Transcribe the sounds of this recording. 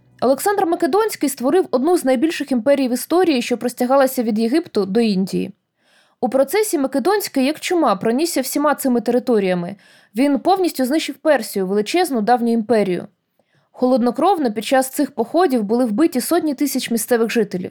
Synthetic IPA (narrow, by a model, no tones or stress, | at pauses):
ɔlˠeksɑnd̪rmɐked̪ɔnʲsʲkɪjst̪ʋɔɾɪwɔd̪nuznɐjbʲilʲʃɪximpɛɾʲijʋɪst̪ɔɾʲijiʃt͡ʃɔpɾɔsʲtʲɐɦɑlˠɐsʲɐʋʲid̪jeɦipt̪ʊd̪ɔinʲdʲijḭ | upɾɔt̪sɛsʲimɐked̪ɔnʲsʲkɪjɐkt͡ʃʊmɑpɾɔnʲisʲɐwsʲimɑt̪sɪmɪt̪eɾɪt̪ɔɾʲijɐmɪ | ʋʲinpɔwnʲisʲtʲʊznɪʃɪwpɛrsʲijʊʋelˠɪt͡ʃɛznʊd̪ɑwnʲʊimpɛɾʲijʊ̰ | xɔlˠɔd̪nɔkɾɔwnɐpʲid̪̚t͡ʃɑst̪sɪxpɔxɔdʲiwbʊlˠɪwbɪtʲisɔtʲnʲit̪ɪsʲɐt͡ʃmʲist̪sɛʋɪɣʒɪt̪elʲḭw